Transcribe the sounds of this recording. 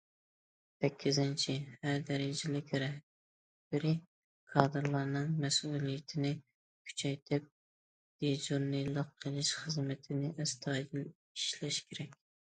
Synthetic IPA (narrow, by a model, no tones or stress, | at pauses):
sɛkʲʰːizɪnt͡ʃʰihæɾd̪ɛɾɪd͡ʒɪlɪkʲʰeɾɛ | b̥ɪɾɪ | kʰɑːd̪ɨɾlˠɑɾnɨŋmɛsulˠijɪt̪ʰɪnɪ | kʲʰy̥t͡ʃʰɛjt̪ʰɪp̚ | d̪id͡ʒuɾnɨlˠəqʰːəlˠɪʃχəzmɪt̪ʰɪnɪʔɛst̪ʰɑd̪ɪl | iʃlɛʃkʲʰeɾɛkʲ